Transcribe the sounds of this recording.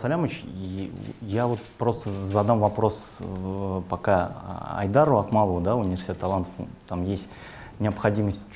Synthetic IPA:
sɐlʲamət͡ɕijavo̞t̪̚pɾo̞st̪əzɐd̪amvɐpɾo̞s | pɐka̰ɐ̰jd̪aɾɐkmalˠəvʊd̪aʊnʲɪvʲɪrsʲtʲet̪ːɐlˠant̪ə̥ft̪amjesʲtʲ | nʲɪɐpxɐdʲiməsʲtʲ

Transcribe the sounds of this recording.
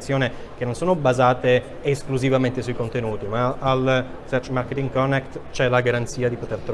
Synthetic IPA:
sjoːne | k̟enːonsoːnobazaːt̪eː | skluzivament̪esuikont̪enuːt̪imaːl | sɛrt͡ʃmarket̪iŋkɔnːɛkt̪t͡ʃɛlaɡaɾant̪siːad̪ipot̪ert̪ɾ

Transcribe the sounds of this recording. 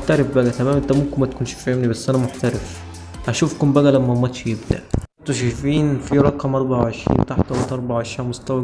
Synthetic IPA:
ħt̪æɾɪfbæɡæt̪æmæːmʔent̪æmomkmæt̪ækuːnʃfiʔemnibæsːʔænæmoħt̪æɾɪf | ʔæʃufkombæɡælæmːæmːɑt̪ʃjebd̪æ̰ʔt̪oʃæjfiːnfiɾˤɑkːɑmʔɑɾˤbɑʕʕeʃɾḭːnt̪aħt̪æwæt̪ʔɑɾˤbɑʕʕeʃiːʕmost̪æwæ

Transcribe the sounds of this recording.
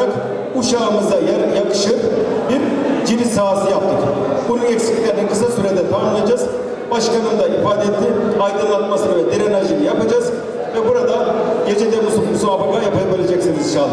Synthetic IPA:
ak | uʃaːmɯzd̪ajaɾjakɯ̥ʃɯbiɾd͡ʒinisaːsɯjapt̪ʰːɯk | bununɛcʲsikʲiɛɾninkʰɯs̬asyɾed̪ɛt̪ʰanalˠad͡ʒaz | baʃkanɯmd̪aʔifaːd̪eet̪lːʲiajd̪ɯnˠat̪masɯɾavɛd̪eɾɛnaʒinijapad͡ʒaz | vɛbuɾad̪aɟe̞d͡ʒed̪ɛɾd̪osukmusuabaɡajapajˠabilʲed͡ʒɛcsiniziʃalˠːɯ

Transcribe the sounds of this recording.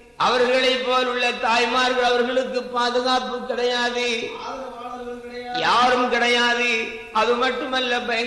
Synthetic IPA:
ʔɐʋɐɾɣɐɭɐɪpːoːlʊɭːɐt̪aːjmaːɾɣɐɭɐʋɐɾɣɐɭɯkːɯpaːðɯɣaːpːɯkːɪɽɐjaːðɯ | jaːɾɯmkɪɽɐjaːðɯ | ɐðɯmɐʈːɯmɐlːɐbɐj

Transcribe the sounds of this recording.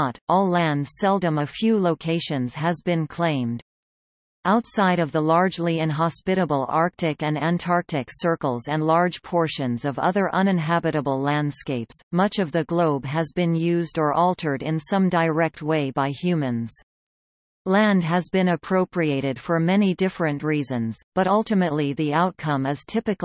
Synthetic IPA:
ɾɔlˠæ̃nd̥sɛlˠdə̃məfjʉloʊkʰeɪʃɨ̃nz̥ɨzbɨ̃nkʰl̥ẽɪ̃md | ʔaʊtsaɪɾʌvðəlɑɹd͡ʒliɪ̃nɦɑspɪɾəbl̩ˠɑɹk̚tɪkɨ̃næ̃ntʰɑɹk̚tɨksɜ˞kl̩ˠzɨ̃nlɑɹd̥ʒ̥pʰɔɹʃɨ̃nzʌvʌ̰ðə˞ʔʌ̃nɨ̃nɦæbɨɾəbl̩ˠlæ̃nd̥skeɪpsmʌt͡ʃʌvðɨɡloʊbɨzbɨ̃njʉzdə˞ʔɔlˠtʰə˞ɾɪ̃nsʌ̃mdaɪ˞ɛk̚t̚weɪbaɪhjʉmɨ̃nz̥ | læ̃nd̚ɨzbɨ̃nɨpʰɹ̥oʊpʰɹieɪɾɨd̥fə˞mɛñidɪfɹɨ̃nʔɹizɨ̃nz̥b̥ʌɾʌlˠtɨmɨtˡliðiaʊt̚kʰʌ̃mɨz̥tʰɪpɨk

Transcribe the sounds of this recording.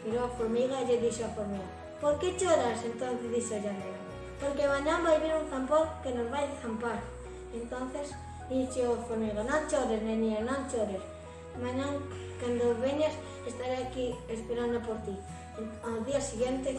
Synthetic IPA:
piɾoafoɾmiɣaʎeðisoafoɾmiɣa | poɾket͡ʃoɾasent̪õnθezðisaʒameɣa | poɾkemaɲãmbajβiɾunθampoɾkenozβajθampaɾ | ent̪onθes | d̪iseoafoɾmiɣanõŋt͡ʃoɾeznenienõnt͡ʃoɾes | maɲãŋ | kand̪oβeɲas | est̪aɾeakiespeɾanapoɾt̪i | aðiasiɣjent̪e

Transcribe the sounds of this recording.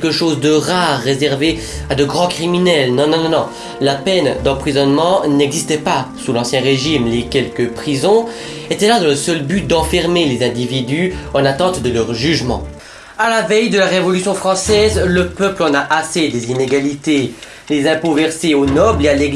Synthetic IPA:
ɛlkəʃoːzd̪əʁaʁːezɛʁve | ad̪əɡʁɑ̃kχiminɛlnɔ̃nɔ̃nɔ̃nɔ̃ | lapɛnd̪ɑ̃pχizɔnmɑ̃nɛɡzist̪ɛpasulɑ̃sjɛ̃ʁeʒimlekʲɛlkəpχizɔ̃ | et̪ɛlad̪ɑ̃ləsœlbyt̪̚d̪ɑ̃fɛʁmelezɛ̃d̪ivid̪yɑ̃nat̪ɑ̃t̪d̪əlœʁʒyʒmɑ̰̃ | alavɛjd̪əlaʁevɔlysjɔ̃fχɑ̃sɛzləpœplɑ̃naʔased̪ezineɡalit̪e | lezɛ̃povɛʁseonɔbleale

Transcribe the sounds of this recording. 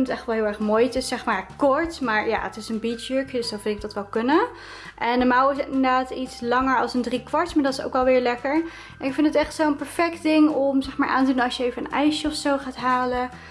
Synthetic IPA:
nətɛχʋɛlˠɦɪːlˠɛɹχmoːjtɪsɛχmaːɹkɔɹtmaːɹja̰ːətɪsənbitjøɹkədəsdɔnfɪntɪɡ̚dɑtʋɛlˠkɵnə | ʔɛndəmawɪs̬tɪndnədədaːtitslɑŋəɹɑ̰lˠsəndrikʋɑɹtmaːɹdɑtɪso̰wkɛlˠʋɪːɹlɛkəɹ | ɛnɪkfɪntətɛχtsowənpɛɹfɛk̚td̥ɪŋɔmzɛχmaːɹʔa̰ːntədunɑsjəejvəənɛ̰jʃəɔfsowχaːtɦaːlə

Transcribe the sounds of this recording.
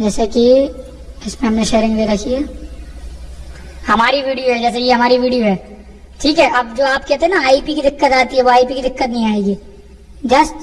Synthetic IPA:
d͡ʒɛːseki | ɪsmẽɦɐmneʃeːɾɪ̃ŋɡleːd̪akʰiɦɛː | hɐmaːɾiʋiːɖijoɦɛd͡ʒɛːs̬eijeɦɐmaːɾiʋiːɖijoɦɛː | ʈʰiːkɦɛːʔɐbd͡ʒoːaːp̚kɛːt̪ẽɦɛ̃naaːiːpikid̪ɪkːət̪aːt̪iɦɛʋoaːipikid̪ɪkːət̪nɐɦĩaːeːɡiː | d͡ʒɐst

